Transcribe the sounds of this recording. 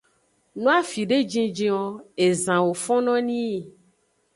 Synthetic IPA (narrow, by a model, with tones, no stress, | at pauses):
nũ˦a˦fi˨ɖe˦d͡ʒĩ˦d͡ʒĩ˦wɔ˦e˨zã˨wo˨fɔ̃˦nɔ̃˦nĩ˦˨